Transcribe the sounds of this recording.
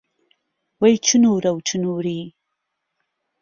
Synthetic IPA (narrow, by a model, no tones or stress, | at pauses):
wɐjt͡ʃʰɨnuɾɐwt͡ʃʰɨnuːɾiː